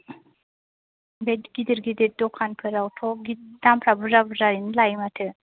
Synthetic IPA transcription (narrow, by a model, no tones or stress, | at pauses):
bedɡid̪əɾɡid̪eɾ̚d̪ɔkʰanpʰɯɾawʈʰoɡid̪ampʰɾabuzabɯzaɾinlajmatʰɯ